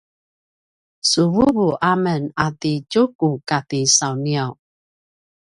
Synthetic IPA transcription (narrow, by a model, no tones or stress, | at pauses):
suwuβuʔamənat̪it͡ʃukukatisawniaw